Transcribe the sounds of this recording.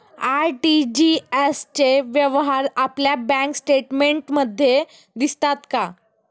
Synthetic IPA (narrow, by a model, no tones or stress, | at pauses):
aɾʈid͡ʑiest͡ɕeʋjəʋɦaɾapljabɛ̃ŋksʈeʈmeɳʈməd̪ʱːje | d̪ist̪at̪ka